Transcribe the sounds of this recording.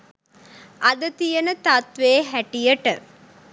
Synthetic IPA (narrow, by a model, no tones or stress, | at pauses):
ʔɐd̪ɐt̪ijɐnət̪at̪ʋeːɦæʈijəʈə